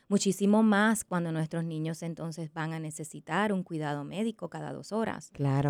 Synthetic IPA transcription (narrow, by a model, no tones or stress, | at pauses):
mut͡ʃisimo̞maskwand̪o̞nwest̪ɾo̞snĩɲo̞se̞nt̪o̞nse̞sbaŋane̞se̞sit̪aɾuŋkwiðað̞o̞me̞ðiko̞kaða̰ðo̰so̞ɾa̰sklaɾo